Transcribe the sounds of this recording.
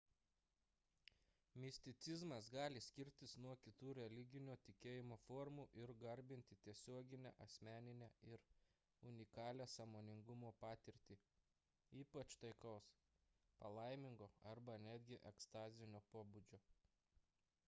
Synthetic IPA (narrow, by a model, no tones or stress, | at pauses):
mʲɪsʲt̪ʲɪt̪sʲɪzmɐsɡɑːlʲɪsʲkʲɪɾʲt̪ʲɪsnuɔkʲɪt̪uːɾʲɛlʲɪɡʲɪnʲoːt̪ʲɪkʲeːjɪmoːfɔːɾmuːʔɪɾɡɐɾʲbʲɪnʲt̪ʲɪt̪ʲiɛsʲoɔɡʲɪnʲæ̰ːʔɐsʲmʲæːnʲɪnʲæːɪɾ | ʊnʲɪkɑːlʲæːsɐmoːnʲɪŋɡʊmoːpɑːt̪ʲɪɾʲt̪ʲiː | iːpɐt͡ʃt̪ɐɪkɔʊs | pɐlˠɐɪmʲɪŋɡoːɐɾbɐnʲæːd̪ʲɡʲɪʔɛkst̪ɑːzʲɪnʲoːpoːbud͡ʒʲoː